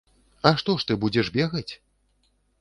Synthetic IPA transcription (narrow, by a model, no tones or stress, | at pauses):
ɐʂt̪ɔʂt̪ɨbud͡zʲɛʐbʲɛɣɐt͡sʲ